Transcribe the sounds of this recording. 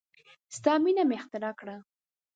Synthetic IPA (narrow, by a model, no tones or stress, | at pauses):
st̪ɑminameɪxt̪ɪɾɑkɽa